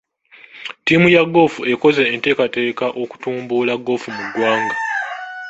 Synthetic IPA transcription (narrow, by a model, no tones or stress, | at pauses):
tiːmujaɡo̞ːfue̞koze̞ːnte̞ːkate̞ːkaʔo̞ku̥tuːmbulaɡːo̞ːfumuɡwaːŋɡa